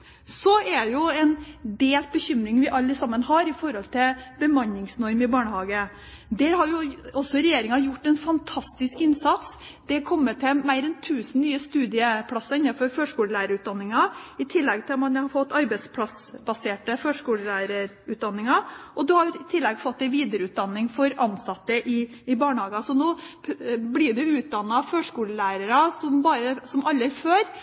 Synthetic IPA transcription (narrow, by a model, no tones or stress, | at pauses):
sɔɛjʊɛnd̪eːlt̪bəçʏmɾɪŋʋɪʔɑlːəsɑmːənɦɑɾɪfɔɾhɔlt̪ʰɪlbəmɑnɪŋsnɔɾmɪbɑːɳəɦɑːɡə | d̪æɾhɑɾjʊɔsːɔɾɛjeːɾɪŋɑjʊʈːɛnfɑnt̪ʰɑst̪ɪskɪnsɑt̪s | d̪̥ɛkʰɔmːəʈʰɛmæɪɾɛnt̪ʰʉːsənnyːəst̪ʉːd̪ɪəpʰlɑsːɑɪnːɑfɔɾføːʂkuːləlæːɾəɾʉːt̪̚d̪ɑnːɪŋɑɪt̪ʰɪlːɛɡ̚t̪ʰɪlmɑnhɑfɔt̪ːɑɾbæɪspʰlɑsbɑseːʈəføːʂkuːləlæːɾəɾ | ʉːt̪̚d̪ɑnːɪŋɑʔɔd̪ʉhɑɾɪt̪ʰɪlːɛɡfɔt̪ːɛɪnʋiːd̪əɾəʉːt̪̚d̪ɑnːɪŋfɔɾɑnːsɑt̪ːəʔɪ | ɪbɑːɳhɑːɡəsɔnoː | blɪɖɛʉːt̪̚d̪ɑnːɑføːʂkuːləlæːɾəɾɑsɔmbɑːɾəsɔmʔɑlːəɪføːɾ